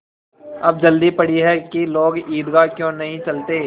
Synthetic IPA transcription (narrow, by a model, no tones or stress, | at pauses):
ɐb̚d͡ʒɐld̪ipɐɽiɦɛkiloːɡiːd̪ɡakjõːnɐɦĩt͡ʃɐlt̪eː